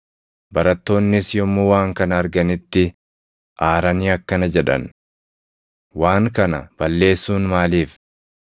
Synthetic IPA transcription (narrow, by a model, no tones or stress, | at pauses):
bɐɾɐt̪ːo̞ːnːɪsjɔmːʊwaːŋkɐnɐːɾɡɐnɪt̪ːɪ | ʔaːɾɐniɐkːɐnɐd͡ʒɛᶑɐ̰n | waːŋkɐnɐ̰b̥ɐlːe̞ːsːuːnmaːliːf